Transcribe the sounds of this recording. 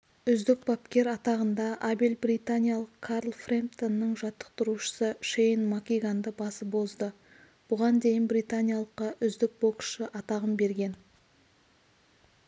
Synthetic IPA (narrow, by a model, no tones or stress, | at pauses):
ʏzd̪ɪk̚bɑpkʲe̞ɾɑt̪ɑʁənd̪ɑʔabelbrijt̪anʲijalˠəqkʰːaɾlˠfremt̪onːəɴʒɑt̪ːə̥q̚t̪ʊɾuʃə̥səʃejnmakʲijɡand̪əbɑsəbo̞zd̪ə | b̥ʊʁɑnd̪e̞jɪnbrijt̪anʲijalˠəqːɑʔʏzd̪ɪk̚bo̞kʃəʔɑt̪ɑʁəmbe̞ɾɡʲe̞n